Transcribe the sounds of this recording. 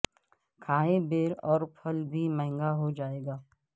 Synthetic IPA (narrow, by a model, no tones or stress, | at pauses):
kʰaːɦebeːɾɔːɾpʰɐlbʱimɛ̃ɦɪ̃ŋɡaɦod͡ʒaːeːɡaː